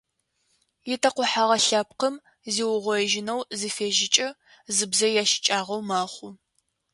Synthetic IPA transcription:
jɪtʰɐqʷʊħaʁɐɬaːp̚qəm | ziːwʊʁʷɔʒɪnɐwzifeːʒɪt͡ʃʼɐ | zɨbzɐjaːʃɪ̥t͡ʃʼaːʁɐwmaːχʷʊ

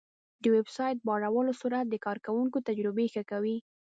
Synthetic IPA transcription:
d̪əwebsɑjt̪̚bɑɽawəlosuɾat̪̚d̪əkɑɾkawuŋkot̪ad͡ʒɾɪbexəkawi

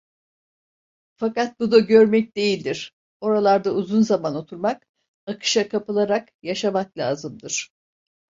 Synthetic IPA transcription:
fakat̪̚bud̪aɟø̞ɾmɛc̚d̪e̞jilʲd̪iɾ̥ | o̞ɾalˠaɾd̪auzunzamano̞t̪ʰuɾmak | akʰɯ̥ʃakʰapɯlˠaɾak | jaʃamaklʲa̰ːzɯmd̪ɯɾ̥

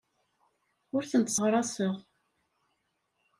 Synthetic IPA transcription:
ʊɾθənt̪sˤʁɾˤɑsəʁ

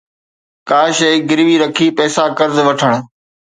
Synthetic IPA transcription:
kaːʃeːɡɪɾʋiːɾəkʰiːpɛːsaːkəɾzʋəʈʰəɽ̃

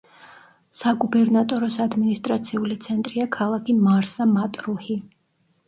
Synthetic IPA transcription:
saɡubɛɾnat̪ʼɔɾɔsad̪minist̪ʼɾat̪sʰiulit̪sʰɛnt̪ʼɾiakʰalˠakʰimaɾsamat̪ʼɾuhi

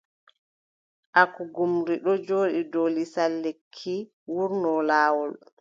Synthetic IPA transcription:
ʔakuɡumɾiɗɔd͡ʒoːɗidolisalːekʰːi | wuɾnɔlaːwɔl

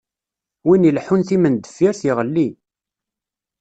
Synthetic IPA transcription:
winəlħunθimənd̪əfːiɾθiʁəlːi

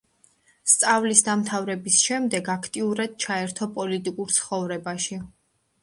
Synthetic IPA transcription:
st̪sʼavlisd̪amt̪ʰavɾɛbisʃɛmd̪ɛɡakʰt̪ʼiuɾad̪̥̚t͡ʃʰaɛɾt̪ʰɔpʼɔlit̪ʼikʼuɾt̪sʰχɔvɾɛbaʃi

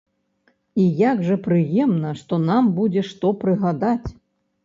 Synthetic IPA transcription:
ijaɡʐɐpɾɨjɛmnɐʂt̪ɔnambud͡zʲɛʂt̪ɔpɾɨɣad̪at͡sʲ

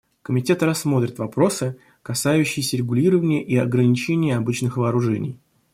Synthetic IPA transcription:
kəmʲɪtʲe̞t̪rɐsːmo̞t̪ɾʲɪt̪vɐpɾo̞sɨ | kɐsajʉɕːɪjɪsʲəɾʲɪɡʊlʲiɾəvənʲɪjəʔiɐɡɾənʲɪt͡ɕenʲɪjəɐbɨt͡ɕnɨxvəːɾʊʐɛnʲɪ̰j

